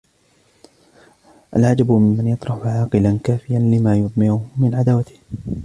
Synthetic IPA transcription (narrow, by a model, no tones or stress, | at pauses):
ʔa̰lʕad͡ʒabmɪmmanjɑt̪ˤɾˤɑħʊʕɑːqɨlankaːfɪjanlɪmaːjʊðˤmɪɾʊhmɪnʕad̪aːwat̪ɪ̥h